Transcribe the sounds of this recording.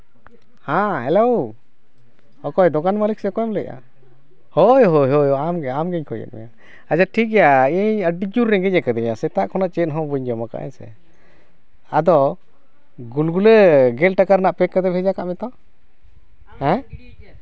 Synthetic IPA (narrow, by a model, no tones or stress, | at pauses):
hãhɛlow | hɔkɔjd̪ɔɡanmalik̚sɛkɔjɔmlɛc̚ʔa̰ | hɔjɦojɦɔjamɡɛamɡɛɲkʰɔjɛ̰t̪̚mɛ̰ja | ad͡ʒaʈʰik̚ɡɛjaiɲəɖid͡ʒuɾːɛɡɛc̚ɛkad̪ɛmɛjasɛt̪aʔkʰɔnaʔt͡ʃɛt̪̚ɦɔ̃buɲd͡ʒɔmaka̰ʔɛ̰ɲsɛ̰ | ad̪ɔ | ɡulɡuləɡɛlʈakaɾnaʔpɛkːad̪ɛbʰʱɛd͡ʒakaʔmɛt̪ɔ | hɛ̃